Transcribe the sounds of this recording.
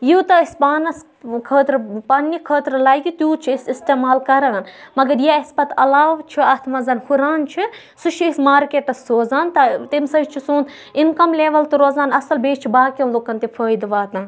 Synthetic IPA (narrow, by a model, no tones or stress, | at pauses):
juːt̪ɐisbaːnɐs | kʰəːt̪ɾɨpɐnːikʰəːt̪ɾɨlaːjkit̪juːt͡ʃʰiisist̪eːmaːlkɐɾaːnmɐɡɐɾjaɐspɐt̪ʰɐlaːʋt͡ʃʰiɐt̪ʰmɐzɐnhuɾaːnt͡ʃʰi | sut͡ʃʰiismaːɾkeːʈɐsːoːzaːnt̪ɐt̪imsɐd͡ʒt͡ʃʰisuːn | inkɐmleːʋɐlt̪ɨɾoːzaːnɐsɐlbeːt͡ʃt͡ʃʰibaːkʲɐmlokɐnt̪efʰəːjd̪ʋaːt̪ɐ̃ː